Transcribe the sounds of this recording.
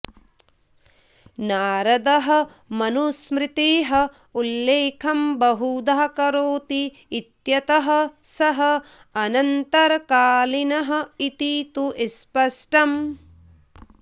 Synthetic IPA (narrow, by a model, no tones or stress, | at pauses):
naːɾɐd̪ɐɦɐ̆ | mɐnusmɾit̪iːɦɐ | ulːeːkʰɐmbɐɦud̪aːkɐɾoːt̪iː | t̪jɐt̪ɐɦɐ̆sɐɦɐ | ɐnɐnt̪ɐɾɐkaːlinɐɦɐ̆it̪it̪uʔespɐʂʈɐm